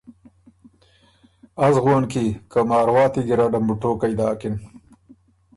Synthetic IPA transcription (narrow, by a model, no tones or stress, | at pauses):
azɣwonkikamɑːɾwɑːt̪iɡiɾaɖambuʈoːkajd̪ɑːkɪn